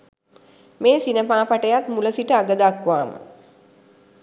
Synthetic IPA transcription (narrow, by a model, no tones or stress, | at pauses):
meːsinəpaːpaʈəjat̪muləsiʈəaɡəd̪akʋaːmə̰